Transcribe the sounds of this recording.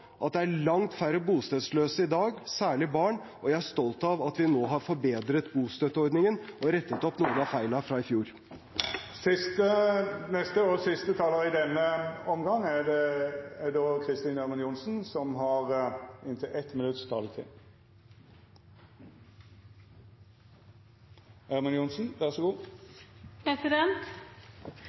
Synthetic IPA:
ʔɑt̪̚d̪ɛæɭɑŋt̪fæɾəbuːst̪øːd̪sløːsəɪd̪ɑːɡsæːɭɪbɑːɳ | ʔɔjæɪæʂt̪ɔlt̪ɑʋɑt̪ʋɪnoːɦɑɾfɔɾbeːd̪ɾət̪buːst̪øt̪ːəɔɾd̪nɪŋənɔɾɛt̪ːət̪ɔpnuːənɑfæɪlɑfɾɑːɪfjuːɾ | sɪst̪ənɛst̪əɔsɪst̪ət̪ʰɑːləɾɪd̪ɛnːəɔmɡɑŋːædɛæd̪oːkʰɾɪst̪iːnæʁmɑnjʊnsn̩sɔmɦɑʁɪnt̪ʰɪlʔɛt̪ːmɪnʉt̪st̪ʰɑ̰ːlət̪ʰɪ̰ | æɾmɑnjʊnsn̩ʋæʁsɔɡuː | pɛsɪd̪ɛnt̪

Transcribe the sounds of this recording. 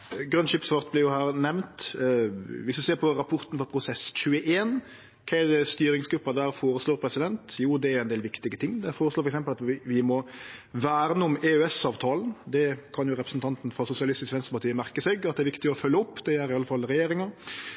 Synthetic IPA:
ɡɾœnʃɪpsʋɑːʁt̪̚blɪʁjʊhæːɾnɛʋnt̪ | ʋɪsd̪ʉseːɾpʰɔɾɑpʰʊɾt̪nfɔɾpʰɾʊsɛsc͡çʉːəʔeːn | kʰɛd̪ɛst̪yːɾɪŋsɡɾʉpːɑd̪æːɾfoːɾəsloːɾpʰɾɛsɪd̪ɛnt̪juːd̪ɛæɾʊɛnd̪eːlʋɪkt̪ɪɡət̪ʰɪŋːd̪ɛfoːɾəsloːfɔɾɛksɛmpəlɑt̪ʋɪʋɪmɔʋæːɾənəʊmɛøɛsɑːʋt̪ʰɑːln̩d̪ɛkʰɑnjʊɾɛpɾəsn̩t̪ɑnt̪nfɾɑsʊsɪɑlɪst̪ɪskʋɛnst̪əpɑɾʈ̪ʰiːəmæʁkəsɛɡɑt̪̚d̪ɛæːʋɪkt̪ɪɔfœlːəʊpːd̪ɛæɾɪɑlːəfɑlːɾɛjeːɾɪŋə

